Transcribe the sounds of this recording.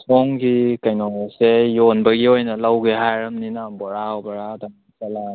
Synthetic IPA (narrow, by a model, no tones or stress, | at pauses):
sʰɔŋɡikajnɔŋesejonbɐɡiojnɐlawɡeɦajɾɐmninabɔɾawbaɾawdaŋasala